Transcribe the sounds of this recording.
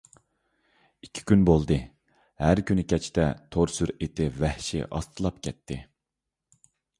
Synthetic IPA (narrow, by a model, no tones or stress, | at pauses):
ikʲʰːi̥kʲynbolˠd̪ɨ | hæɾkʲynykʲʰɛt͡ʃʰt̪ɛt̪ʰoɾsyɾet̪ʰɪvɛhʃɪ̰ʔɑ̰st̪ʰɨlˠɑp̚kʲʰɛt̪ʰːɪ